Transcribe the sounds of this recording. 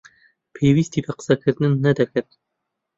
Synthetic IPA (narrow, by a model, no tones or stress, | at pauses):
pʰeːwiːst̪iːbæqə̥sɐkʰɨɾd̪ɨnːɐd̪ɐkɨɾt̪̚